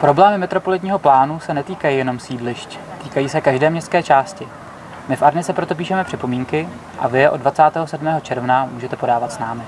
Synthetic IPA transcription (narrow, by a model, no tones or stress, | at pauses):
pɾo̞blɛːmɪmɛt̪ɾo̞po̞lɪt̪ɲiːɦo̞plaːnusɛnɛt̪iːkajijɛno̞msiːdlɪʃc | t̪iːkajiːsɛkaʒdɛːmɲɛst̪kɛːt͡ʃaːscɪ | mɪfʔaɾnɪt͡sɛpɾot̪o̞p̬iːʃɛmɛpr̥ɪpo̞miːŋkɪ | ʔa̰vɪjʔo̞dvat͡saːt̪ɛːɦo̞sɛdmɛːɦo̞t͡ʃɛɾvnamuːʒɛt̪ɛpo̞daːvat̪snaːmɪ